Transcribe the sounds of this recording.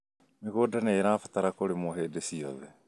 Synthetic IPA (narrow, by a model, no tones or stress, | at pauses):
miɣoːdaneɾaːfataɾakoɾemoɦeːdesiɔ̰ðɛ